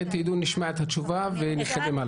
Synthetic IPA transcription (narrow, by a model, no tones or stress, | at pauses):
et̪id̪uniʃmaet̪hat͡ʃuvaveniχed̪imal